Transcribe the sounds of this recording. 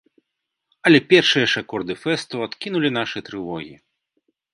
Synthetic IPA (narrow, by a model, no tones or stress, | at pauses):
ɐlʲɛpʲɛrʂɨjɐʂakɔrd̪ɨfɛst̪uat̪kʲinulʲin̪aʂɨt̪ɾɨvɔɣʲḭ